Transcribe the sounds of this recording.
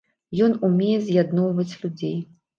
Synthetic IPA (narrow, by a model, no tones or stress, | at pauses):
jɔnumʲejɛzʲjad̪nɔwvɐt͡sʲlʲud͡zʲej